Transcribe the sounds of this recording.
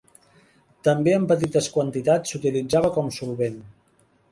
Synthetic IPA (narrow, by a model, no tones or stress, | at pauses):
t̪əmbeəmpət̪it̪əskwənt̪it̪at͡sːut̪ilid͡zaβəkɔmsulˠβen